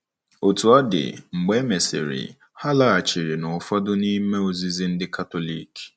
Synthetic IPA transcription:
o˨tu˨ɔ˦dɪ̰˨ŋ͡m̩˨ɡ͡be˦me˨sɪ̰˨ɾɪ̰˨ | ha˦la˨a˨t͡ʃi˨ɾi˨nʊ˨fɔ˦dʊ˦ni˦me˦o˨zi˦zi˦n̩˦dɪ˦ka˦to˨li˦˨k

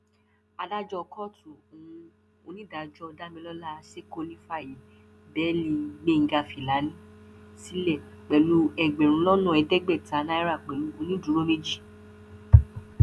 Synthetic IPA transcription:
a˧da˦d͡ʒɔ˦˧kɔ˦˨tũ˨o˨ũ˧ | o˧nĩ˦da˨d͡ʒɔ˦ɔ˧da˦mĩ˧lɔ˦la˦˧se˦ko˧nĩ˦fa˦˨ji˨ | bɛ˨˦li˧˦ɡ͡be˦˨ŋ̩˦ɡa˧fi˨la˨˦nĩ˦si˦lɛ˦˨k͡pɛ˨lu˦ɛ˧ɡ͡bɛ̃˨ɾ̃ũ˨˦lɔ˦nũ˦˨ɛ˧dɛ˦ɡ͡bɛ˦˨ta˨˦na˦i˦ɾa˦˨k͡pɛ˨lu˨˦o˧nĩ˦du˨˦ɾo˦me˦d͡ʒi˦˨

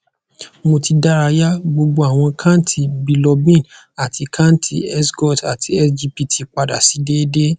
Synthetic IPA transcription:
mo˧ti˧da˦ɾa˧ja˦ɡ͡bo˧ɡ͡bo˧˦a˦˨w̃ɔ̃˧kʰa˦n˦tʰi˧bi˧lɔ˧bĩ˦˨n | a˨ti˧kʰa˦n˦tʰḭ˧ɛ˦sɡɔ˦˨ta˨tʰi˧ɛ˦sd͡ʒi˧pi˧tʰi˧k͡pa˧da̰˨si˨˦de˦de˦

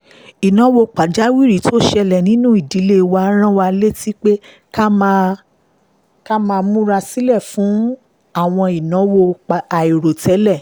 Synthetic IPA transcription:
i˨nɔ̃˨˦wo˧k͡pa˨d͡ʒa˨˦wi˦˨ɾi˨˦to˦ʃɛ˧lɛ˨nĩ˦nũ˦i˦˨di˨˦le˦wa˧˦ɾ̃ã˦wa˧le˦ti˦k͡pe˦ | ka˦mã˧ | ka˦mãː˧mũ˦ɾa˧si˦lɛ˦˨fũ˨˦ | a˦˨w̃ɔ̃˧i˨nɔ̃˨˦wo˧k͡pa˨i˨ɾo˨tɛ˨˦lɛ˦˨

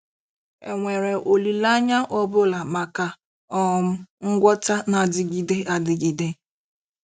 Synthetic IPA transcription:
e˨ŋʷe˨ɾe˨ʔo˨li˨la˦ɲa˦ʔɔ˦bʊ˦la˨ma˨ka˨ | ɔ˦˨m̩˦ŋ̩˦ɡʷɔ˦ta˦na˨dɪ˦ɡi˦de˦ʔa˨dɪ˨ɡi˨de˦

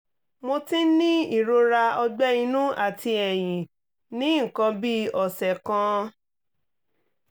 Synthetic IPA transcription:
mo˧tĩ˦nĩ˦i˦˨ɾo˧ɾa˧ɔ˧ɡ͡bɛ˦i˧nũ˦ʔa˦˨ti˧ɛ˨j̃ĩ˨ | nĩ˦˨kã˧bi˦ɔ˨sɛ˨kã˧

